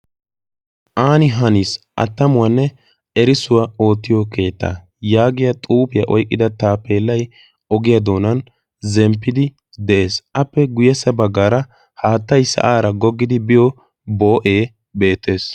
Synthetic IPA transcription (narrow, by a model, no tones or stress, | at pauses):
ʔaːnɪɦɐnisʔɐ̰t̪ːɐmʊwɐnːɛ | ɛɾɪsʊwao̞ːt̪ːɪjɔke̞ːt̪ːa̰ː | jaːɡɪjɐt̪ʼuːpɪjɐʔɔjkʼːɪd̪ɐt̪aːpːe̞ːlːɐj | ɔɡɪjɐd̪o̞ːnɐn | zɛmpːɪd̪ɪ | d̪ɛʔe̞ːsʔɐpːɛɡʊjɛsːɐbɐɡːaːɾɐ | haːt̪ːɐjsɐ̰ʔaːɾɐɡɔɡːɪd̪ɪbɪjɔ | bo̞ːʔe̞ː | be̞ːt̪ːe̞ːs